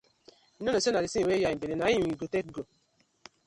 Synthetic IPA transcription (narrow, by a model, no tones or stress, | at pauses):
inɔnosenaɾisiwejaibeɾenaiiɡotekɡo